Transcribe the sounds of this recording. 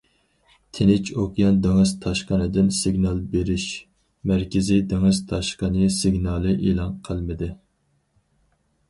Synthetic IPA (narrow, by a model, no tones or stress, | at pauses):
t̪ʰenɪt͡ʃʰokjɑnd̪eŋɨzt̪ʰɑʃqənɨd̪ɪnsɪɡʲnɑlˠbeɾɪʃ | mæɾkʲɪzɪd̪eŋɨz̥t̪ʰɑʃqənɨsɪɡʲnɑːlˠɨʔelˠɑnqʰəlˠmɪd̪ɪ